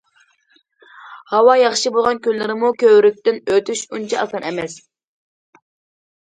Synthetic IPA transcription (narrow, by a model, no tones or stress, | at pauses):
hɑwɑjɑχʃɨbolˠʁɑnkʲølːɪɾɪmukʲøwɾyk̚ʲt̪ɪnøt̪ʰyʃunt͡ʃʰɛɑ̰sɑnɛmɛs